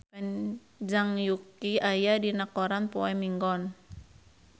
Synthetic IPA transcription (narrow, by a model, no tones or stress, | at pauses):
paɲ | d͡ʒaŋjukiajadinakɔɾanpoɛmiŋɡɔn